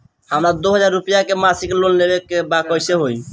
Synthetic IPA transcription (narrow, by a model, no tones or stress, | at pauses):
həmɾad̪oɦəd͡ʒaɾːupijakemasiklonlebekːebakɔjseɦoj